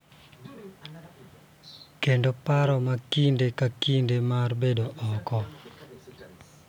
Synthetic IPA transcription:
kendopaɾɔmakindekakindemarbedoʔɔkɔ

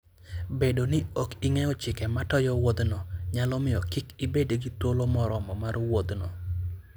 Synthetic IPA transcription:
bedonɪokiŋɛɔt͡ʃɪkɛmatɔjɔwod̪nɔɲalɔmɪjɔkikibedeɡitolomɔɾɔmɔmarwod̪nɔ̰

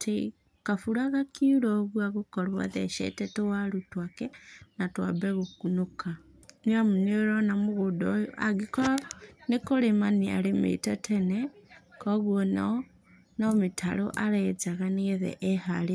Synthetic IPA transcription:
tʰi | kafuɾaɣakʰiuɾoβwaɣukoɾwa̰ðḛʃḛtɛtowalutwakenatwa̰bɛɣukunuka | niamunioɾonamuɣudojoaɡikonekoɾemania̰lemḭtotʰenekoɣwona̰ | nomitʰa̰ɾo̰ʔaɾed͡zaɣaniɣeðḛʔːhale

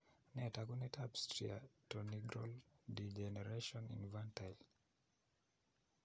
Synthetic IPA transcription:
nɛtaɡunɛtʰabstɾiatoniɡɾɔ̰ldid͡ʒɛnɛɾeʃɔ̃nḭ̃nvãntal

